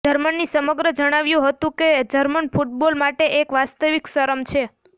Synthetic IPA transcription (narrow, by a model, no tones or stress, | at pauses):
d͡ʒəɾmənːisəməɡɾəd͡ʒəɽ̃aʋjũɦət̪ũked͡ʒəɾmənfʰuʈ̚bolmaʈeʔekʋast̪əʋiksəɾəmt͡ʃʰe